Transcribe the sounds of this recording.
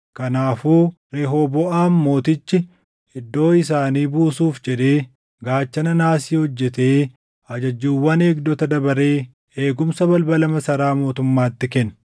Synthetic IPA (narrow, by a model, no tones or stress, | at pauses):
kɐnaːfuːɾeːɦoːbɔʔaːmːo̞ːt̪ɪt͡ʃːɪ | ɪd̪ːo̞ːɪs̬aːniːbuːsuːfd͡ʒɛᶑ̪e̞ː | ɡaːt͡ʃːɐnɐnaːsiːhɔd͡ʒːɛt̪eː | ɐd͡ʒɐd͡ʒːuːwːɐneːɡd̪ɔt̪ɐd̪ɐbɐɾe̞ː | eːɡʊmsɐbɐlbɐlɐmɐsɐɾaːmo̞ːt̪ʊmːaːt̪ːɪkɛn